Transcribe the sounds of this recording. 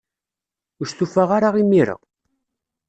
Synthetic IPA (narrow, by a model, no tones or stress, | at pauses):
usθufaʁaɾaʁimːiɾə̰ʁ